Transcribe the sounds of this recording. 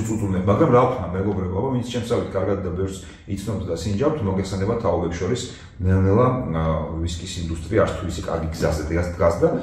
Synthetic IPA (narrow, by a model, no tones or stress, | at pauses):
t̪sʼut̪ʼunɛmaɡɾamɾakʰnamɛɡɔbɾɛbabavint̪sʰt͡ʃʰɛmsavit̪ʰkʼaɾɡad̪̚d̪abɛfɾs | it̪sʰnɔb̚t̪ʰd̪asind͡ʒawt̪ʰmɔɡɛt̪ʰsɛnɛbat̪ʰːaɔbɛpsʃɔɾis | nɛnɛlˠa | viskʼisind̪ust̪ʼɾiaɾt̪sʰt̪ʰuisi̥kʼa̰ɾɡiɡzazɛd̪ɡasd̪ɡasd̪a